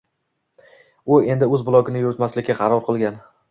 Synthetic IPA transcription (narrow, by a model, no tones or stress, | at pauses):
ʊe̞nd̪ɪɵzbʊlˠɒkʲɪnɪjʊɾɪt̪maslɪkʲʰːaqʰɑɾɒɾqʰɨlˠɡʲan